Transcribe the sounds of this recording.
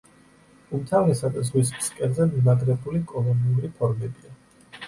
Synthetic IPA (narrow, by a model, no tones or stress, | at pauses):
umt̪ʰavnɛsad̪azʁwispskʼɛnzɛmimaɡɾɛbulikʼɔlˠɔniuɾipʰɔɾmɛbia